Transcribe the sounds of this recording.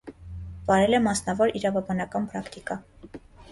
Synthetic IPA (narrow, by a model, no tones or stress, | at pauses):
vɑɾɛlɛmɑsnɑvɔɾiɾɑvɑbɑnɑkɑnpʰɾɑkt̪ikɑ